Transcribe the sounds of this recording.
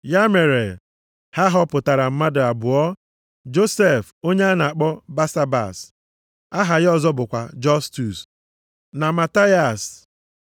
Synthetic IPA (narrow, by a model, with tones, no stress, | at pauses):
ja˦me˨ɾe˨ | ha˦ɦɔ˦pʊ˨ta˨ɾa˨m̩˦ma˦dʊ˨a˨bʊ˨ɔ˦ | d͡ʒo˦se˦˨f | o˦ɲe˦a˦na˨a˨k͡pɔ˦ba˦sa˦ba̰˨s | a˦ɦa˨ɣɔ˦zɔ˦bʊ˨kʷa˨d͡ʒɔ˦stu˨s | na˨ma˨ta˦ja˨s